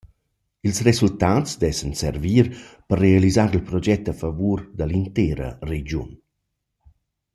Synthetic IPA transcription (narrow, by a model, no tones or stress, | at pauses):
ilsrezult̪aːsd̪ɛsənsɛɾviːɾpərːealizaːɾilpɾɔd͡ʒɛt̪ːafavuːɾd̪əlint̪ɛːɾə̰red͡ʒjun